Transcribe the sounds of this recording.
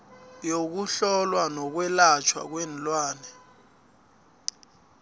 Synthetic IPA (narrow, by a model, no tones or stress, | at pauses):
jok̬uɬɔlwanɔk̬wɛlat͡ʃʰwa̰k̬wɛnlʼwaːnɛ